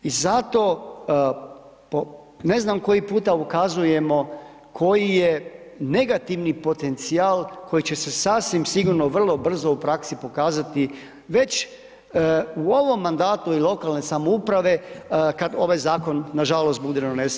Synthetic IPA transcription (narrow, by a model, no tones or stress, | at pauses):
izat̪o̞ | po | ne̞znamko̞jipuːt̪aukazuje̞mo̞ | kʰo̞jijene̞ɡat̪iʋnipo̞t̪e̞nt̪siaːlˠkʰo̞jit͡ɕe̞se̞sasʋimsiɡuɾno̞ʋr̩lˠo̞br̩zo̞upɾaksipo̞kaːzat̪i | ʋe̞t͡ɕ | uo̞ʋo̞mːand̪aːt̪uilˠo̞kalne̞samoupɾaʋe̞kad̪o̞ʋajzaːko̞nːaʒalo̞st̪̚bud̪enones